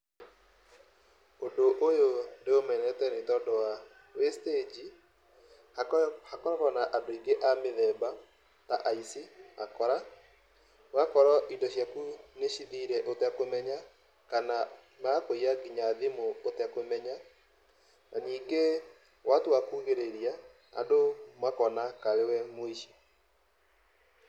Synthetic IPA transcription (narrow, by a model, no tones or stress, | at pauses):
ondoʔojoneomɛnɛtɛnetɔdɔwa | wested͡ʒi | hakɔɾɔkɔnaʔadoiŋɡeʔameðɛba | taʔaisimakɔɾa | wakɔɾɔʔidɔɕjakuneʃiðiɾɛʔotɛkomɛɲa | kana | makoiaɡiɲaðimoːtakomɛɲa | nʔaniːŋɡe | watowakuːɣeɾeɾia | a̰domakɔnakaɾewɛmoiʃi